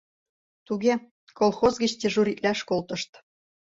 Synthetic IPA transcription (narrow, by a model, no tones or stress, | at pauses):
t̪uɣʲe | kolˠxozɣɘ̆t͡ɕt̪ʲĕʒuɾʲit̪læʃkolt̪ɤ̆ʃt̪